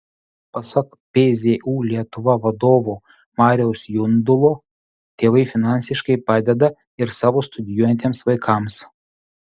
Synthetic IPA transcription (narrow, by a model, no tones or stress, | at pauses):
pɐsɐk | pʲezʲeʔuːlʲiɛt̪ʊʋɐʋɐd̪oːʋo | mɑːɾʲɛʊsjʊnd̪ʊlˠoː | t̪ʲeːʋɐɪfʲɪnɑˑnʲsʲɪʃkɐɪpɑːd̪ʲɛd̪ɐ | ɪɾsɑːʋoːst̪ʊd̪ʲɪjuɔjɛnt̪ʲeːmsʋɐɪkʰɑms